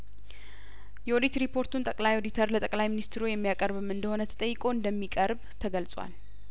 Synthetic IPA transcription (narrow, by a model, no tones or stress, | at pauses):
jɛod̪it̪ɾipʰːo̞ɾt̪ʰunt̪ʼəkʼlajod̪it̪ʰəɾlət̪ʼəkʼlajminist̪ʰɾujɛmːijakʼəɾβɨmɨnd̪əho̞nət̪ʰə̥t̪ʼəjːɨkʼo̞ɨnd̪əmːikʼəɾbt̪ʰəɡəlsʼwa̰l